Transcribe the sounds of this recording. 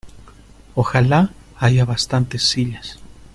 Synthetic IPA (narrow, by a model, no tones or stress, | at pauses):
oxala | aʝaβast̪ant̪esːiʎas